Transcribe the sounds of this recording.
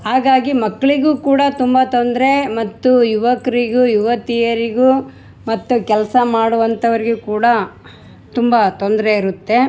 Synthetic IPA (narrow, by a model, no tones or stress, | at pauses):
ɦaːɡaːɡimɐkːɐɭiɡuːkuːɽɐt̪umbɐt̪ond̪ɾe̞mɐt̪ːujuʋɐkɐɾiɡujuʋɐt̪ijɐɾiɡu | mɐt̪ːukɛlɐsɐmaːɽuʋɐnt̪ɐʋɐɾiɡekuːɽɐ | t̪umbɐt̪ond̪ɾe̞iɾut̪ːe̞